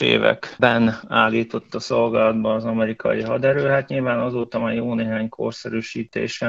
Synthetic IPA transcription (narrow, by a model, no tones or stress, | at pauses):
ḛːvɛ̰kbɛnaːlːiːt̪o̞t̪ːɒso̞lɡaːlɒd̪bɒːzɒmɛɾikʰɒ̰jiɦɒd̪ɛɾøːɦat̪ɲilvaːnɒzoːt̪ɒmɛjoːneːɦaːɲkʰo̞̰rsɛɾyːʃiːt̪ḛːʃɛ